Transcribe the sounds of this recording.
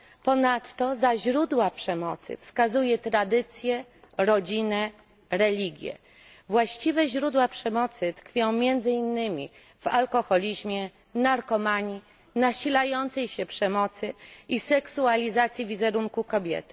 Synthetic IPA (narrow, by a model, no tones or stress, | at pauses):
pɔnat̪ːɔzaʑɾud̪wapʂɛmɔt̪sɘ̰fskazujɛt̪ɾad̪ɘt̪sʲjɛɾɔd͡ʑinɛ | ɾɛlʲiɡʲjɛ̰ | vwaɕt͡ɕivɛʑɾud̪wapʂɛmɔt̪sɘt̪kfʲjɔ̃w̃mʲjɛnd̪zɘinːɘmʲḭ | valkɔxɔlʲiʑmʲjɛ | naɾkɔmaɲi | naɕilajɔnt̪sɛjɕɛpʂɛmɔt̪sɘisɛksualʲizat̪sʲjivʲizɛɾuŋkukɔbʲjɛ̰t̪ɘ̥